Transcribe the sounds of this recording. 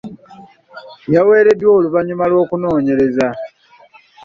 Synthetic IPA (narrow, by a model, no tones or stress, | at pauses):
jawe̞ːɾe̞dwo̞ːluβaɲumalwo̞ːkuno̞ːɲe̞ɾe̞za